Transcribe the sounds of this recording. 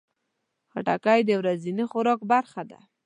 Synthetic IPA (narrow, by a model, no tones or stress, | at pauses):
xaʈakajd̪əwɾazinixʊɾɑkbaɾxad̪a̰